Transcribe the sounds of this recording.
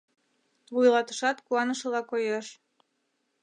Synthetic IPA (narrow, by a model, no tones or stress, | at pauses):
βujlɑt̪ə̥ʃɑt̪kuɑnəʃə̆lɑkojeʃ